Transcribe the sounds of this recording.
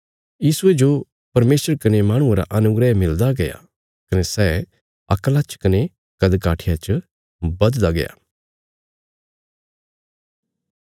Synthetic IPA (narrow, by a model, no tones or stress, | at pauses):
jiːsʊed͡ʒo | pɐɾmeːsəɾkɐnemaːɽ̃ʊ̃ãɾa̰ʔɐnʊɡɾɛmɪld̪aɡɐja̰ | kɐnesɛː | ɐ̰klat͡ʃkɐne | kɐd̪kaːʈʰɪjat͡ʃə | bɐd̪d̪aɡɐ̰ja̰ː